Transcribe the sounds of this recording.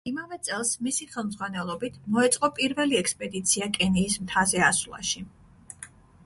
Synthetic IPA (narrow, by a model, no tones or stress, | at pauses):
imavɛt̪sʼɛlˠsmisiχɛlˠmd̪zʁwanɛlˠɔbit̪ʰmɔɛt̪sʼqʼɔpʼiɾvɛliɛkspʼɛd̪it̪sʰiakʼɛniːsmt̪ʰazɛaslˠa̰ʃi